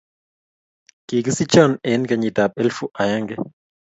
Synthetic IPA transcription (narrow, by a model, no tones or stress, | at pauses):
kikəsit͡ʃanenkaɲit̪ap̚elfuʔajaŋke